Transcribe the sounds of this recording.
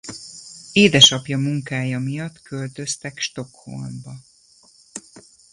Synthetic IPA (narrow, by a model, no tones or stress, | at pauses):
eːd̪ɛʃɒpjɒmuŋkaːjɒmijɒt̪kølt̪ø̞st̪ɛkʃt̪o̞kho̞̰lmbɒ